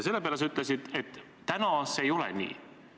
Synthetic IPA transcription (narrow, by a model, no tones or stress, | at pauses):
se̞lːe̞peɑlesyt̪ːˑlesid̪̥e̞t̪ː | ænɑsejo̞lɛ̰nʲḭː